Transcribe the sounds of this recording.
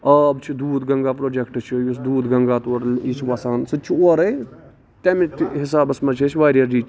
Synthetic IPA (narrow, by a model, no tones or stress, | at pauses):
ɐbt͡ʃʰid̪uːd̪ɡɐŋɡaːpɾoːd͡ʒekʈɨt͡ʃʰijusd̪uːd̪ɡɐŋɡaːt̪oːɾlit͡ʃʰiʋɐsaːnsɨt͡ʃʰioːɾɐj | t̪emit̪ɦɪsaːbɐsmɐt͡ʃʰet͡ʃʰʋaːɾijɐɾd͡ʒiːt͡ʃʰ